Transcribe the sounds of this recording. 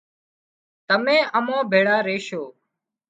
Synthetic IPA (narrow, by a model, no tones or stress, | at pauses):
t̪əmẽːʔəmõːbʱeːɽaːɾeːʃoː